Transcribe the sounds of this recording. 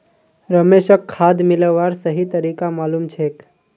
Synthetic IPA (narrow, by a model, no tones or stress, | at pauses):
ɾəmeʃəkʰːad̪mɪləʋːaɾsəɦit̪əɾiːkamaːlumt͡ʃʰek